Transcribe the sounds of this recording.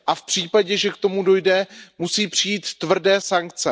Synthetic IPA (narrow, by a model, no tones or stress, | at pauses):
ʔafpr̝̥iːpaɟɛʒɛkt̪o̞mudo̞jdɛmusiːpr̝̥ijiːt̪ːvr̩dɛːsaŋk̚t͡sɛ